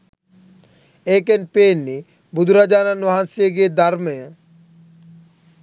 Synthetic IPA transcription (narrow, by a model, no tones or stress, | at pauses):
eːkenpeːnːi | bud̪uɾad͡ʒaːnanʋɐɦansijəɡeːd̪aɾmejə̃